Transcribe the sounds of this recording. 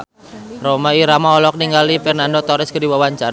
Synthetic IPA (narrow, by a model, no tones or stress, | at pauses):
romaiɾamaɔlɔk̚niŋɡalifɛrnandot̪ɔɾɪskədiwawaɲt͡ʃa